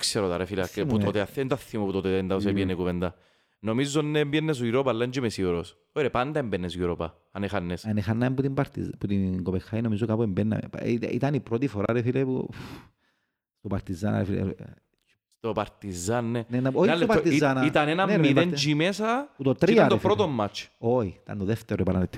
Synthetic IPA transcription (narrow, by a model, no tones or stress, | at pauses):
kseɾot̪aɾefilkːpuot̪eaθːent̪aθːimoput̪ot̪et̪end̪aosepienːekuvend̪a | nomizːonːembjenːes̬oiɾopalːɐnd͡ʒimesioɾos | ojɾepand̪ɐembenːesjuɾopa | ɐnexanːesɐnexanːɐimbut̪imbaɾt̪ḭzput̪iŋɡopexːajinomizokapuembenːɐ̰m̰pḭḭt̪ɐnipɾot̪ifoɾa̰ɾefilepṵ | st̪opaɾt̪izana̰ɾfilḛ | st̪opaɾt̪izanːenenːaojiopaɾt̪izanait̪anenanmːend͡ʒimesɐput̪ot̪ɾiiaɾt̪epɾot̪omːat͡ʃoit̪a̰nt̪oðeft̪eɾopalɐnet̪ʰː